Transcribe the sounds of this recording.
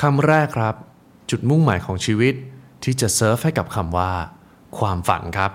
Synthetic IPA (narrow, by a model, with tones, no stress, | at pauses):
kʰa˧mɾɛː˥˩kʰːɾa˦˥p̚ | t͡ɕu˨˩t̪̚mu˥˩ŋmaː˩˦jkʰɔː˩˦ŋt͡ɕʰiː˧wi˦˥t̪̚ʰː | iː˥˩t͡ɕa˨˩ʔsɤː˦˥f̚ha˥˩jka˨˩p̚kʰa˧mwaː˥˩ | kʰwaː˧mfa̰˩˦nkʰɾa˦˥p̚